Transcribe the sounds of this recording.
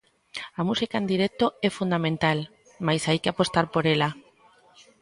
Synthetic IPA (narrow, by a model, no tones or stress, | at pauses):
amusikaend̪iɾɛk̚t̪oɛfund̪amẽnt̪al | majsajkɪapost̪aɾpoɾela